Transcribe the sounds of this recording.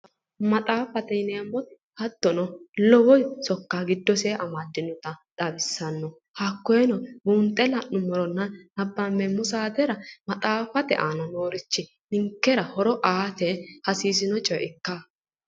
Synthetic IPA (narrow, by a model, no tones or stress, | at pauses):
mɐt̪ʼaːfɐt̪ɛnemːɔt̪ɪ̥ | hɐd̪ːɔnɔlɔwɔjsɔkːaɡɪd̪ːɔseʔɐmad̪ːɪnʊt̪ɐᶑɐbɪsːɐnːɔ | hakːɔjɛnɔbuːnt̪ʼːɛlɐʔːʊmɔɾɔnːɐnːɐbːɐmːɛmːʊsaːt̪ɛɾɐmɐt̪ʼaːfɐt̪ɛ̰ʔaːnɐnoːɾɪt͡ʃːɪ | nɪŋkːɛɾɐhɔɾɔʔaːt̪ɛhɐsiːs̬ɪnɔt͡ʃʼɔjɪkːa